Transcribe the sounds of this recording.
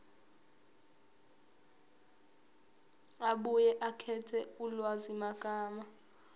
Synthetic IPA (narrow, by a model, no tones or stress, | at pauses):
aɓujɛʔakʰɛtʰɛulwazimakʼaːma